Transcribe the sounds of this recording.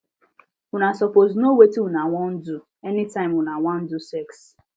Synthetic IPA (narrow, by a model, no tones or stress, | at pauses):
unasɔpoznowetiwunaŋʷɔn̩du | ɛnɪtãɪ̃mwʊnawʷan̩dusɛks